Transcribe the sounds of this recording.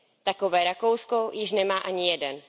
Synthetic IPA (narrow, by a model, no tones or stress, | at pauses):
t̪ako̞vɛːɾakowsko̞jɪʃnɛmaːʔaɲɪjɛdɛn